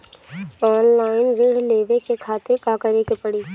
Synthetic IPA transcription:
ɔːnlaːɪnʋɪɽleːʋekekʰaːt̪ɪɾkakəɾekepɐɽiː

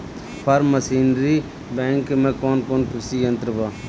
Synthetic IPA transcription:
pʰəɾməsiːnɾiː | bẽːŋkmẽːkoːnkoːnpɪsijə̃nt̪ɾəbaː

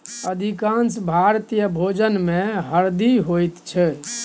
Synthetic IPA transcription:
əd̪ʱikansbʱaɾt̪ijəbʱod͡ʒənmẽɦəɾd̪iɦojt̪t͡ʃʰɛ

